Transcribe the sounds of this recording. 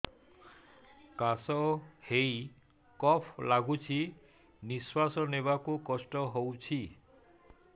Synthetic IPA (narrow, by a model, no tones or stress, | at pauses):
kasɔhej | kɔpʰlaɡut͡ʃʰi | niswasɔnebakukɔsʈɔɦowt͡ʃʰi